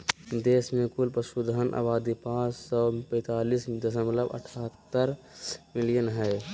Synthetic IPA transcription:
d̪eːsmẽkulpəsud̪ʱənʔə̰baːd̪ipãːssɔpə̃ɪt̪aːlisd̪əs̬əmləbə̰ʈʰaːt̪ːəɾ | mɪlijənɦɛɪ

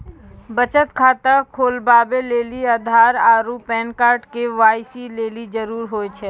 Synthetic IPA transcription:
bət͡ʃət̪kʰaːt̪əkʰoːlbaːbeleːliad̪ʱaːɾaːɾupɛːnkaːɾʈkeʋaːjsileːlid͡ʒəɾuːɾɦoːet͡ʃʰɛː

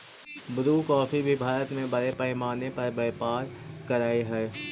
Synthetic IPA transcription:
bʊɾuːkɔːfʰibʱibʱaːɾət̪mẽbɐɾepɛːmaːnepɐɾbɛːpaːɾkɐɾaːiɦɛː

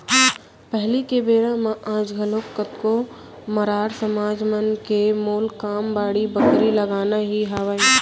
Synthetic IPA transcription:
pɛɦlikebeːɾãmãʔãːd͡ʒɡʱɐloːkːət̪ko | mɐɾaːɾsɐmaːd͡ʒmənkemoːlkaːmbaːɽibəkɾilɐɡaːnaɦiɦaːʋaːẽ

